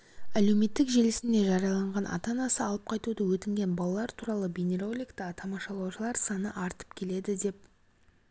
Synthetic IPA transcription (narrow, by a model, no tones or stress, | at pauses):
æle̞wme̞t̪ːɪkʒe̞lɪsɪnd̪e̞ʒɑɾjɑlˠɑɴʁɑnʔɑ̰t̪ɑnɑsəɑlˠəp̚qʰɑjt̪ud̪əwɵt̪ɪŋɡʲe̞nbɑlˠɑlˠɑɾt̪ʰuɾɑlˠəbʲine̞ɾo̞lʲˠijkt̪ɑt̪ʰɑmɑʃɑlˠɑwʃəlˠɑɾsɑnəʔɑɾt̪ə̥p̚kʲʰe̞le̞d̪ɪd̪e̞p̚